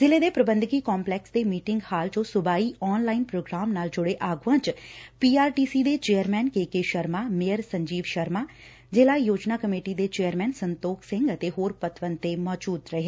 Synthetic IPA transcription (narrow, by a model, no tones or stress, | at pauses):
zɪleːd̪eːpɾəbənd̪ɡiːkɔːmplɛːksd̪eːmiːʈɪŋɡhaːlt͡ʃõːsʊbaːiːɔːnlaːinpɾoːɡɾaːmnaːld͡ʒʊɽeːʔaːɡʋãːt͡ʃpiːaːɾʈiːsiːd̪eːt͡ʃeːəɾmɛːnkeːkeːʃəɾmaːmeːəɾsəɲd͡ʒiːʋʃəɾmaː | d͡ʒeːlaːijoːd͡ʒnaːkəmeːʈiːd̪eːt͡ʃeːəɾmɛːnsənt̪oːkʰsɪ̃ŋɡət̪eːɦoːɾpət̪ʰʋənt̪eːmɔːd͡ʒuːd̪ɾəɦeː